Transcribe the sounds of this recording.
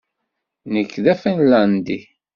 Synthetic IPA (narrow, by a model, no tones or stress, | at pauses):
nəkːðæfənlænd̪i